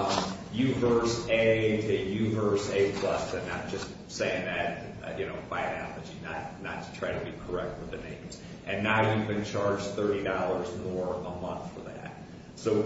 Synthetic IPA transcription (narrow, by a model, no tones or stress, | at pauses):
jʉvɜ˞seɪɾɨjʉvɜ˞seɪpʰl̥ʌsɨ̃nɨd̥ʒ̥ʌst | seɪɪ̃ŋðɨt̚ | jɨnoʊfaɪnæ̰lˠɨd͡ʒinə̰t̚nə̰tʰɨ̥tʰɹ̥aɪɾɨbikʰə˞ɛk̚t̚wəðɨnḛ̃ɪ̃z̥ | ʔɨ̃nːaʊjɨbɨ̃nt͡ʃʰɑɹd͡ʒθɜ˞ɾidɑlˠə˞zmɔɹəmʌ̃nθfə˞ðæ̰t̚ | soʊ